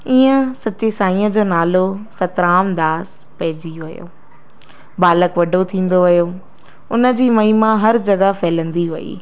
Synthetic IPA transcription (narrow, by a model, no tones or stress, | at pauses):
iːə̃sɐt͡ɕesaːĩːə̃d͡ʑoːnaːlosɐt̪ɾaːmd̪aːs | pɐɦɪd͡ʑiʋɐjo̰ː | baːləkʋɐɖʱot̪ʰĩːn̆d̪oʋɪjo | ʊnə̆d͡ʑiːmɐimãɦɐɾd͡ʑɐɡafʰɛːlə̃nd̪iʋɐḭː